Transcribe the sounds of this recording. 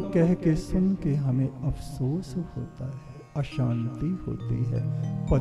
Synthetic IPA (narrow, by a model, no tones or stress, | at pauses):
kɛɦkesʊnkeɦɐmẽɐfsoːsho̰ːt̪aɦɛ | ɐʃãːnt̪iho̰ːt̪ḭɦɛ̰ːpɐ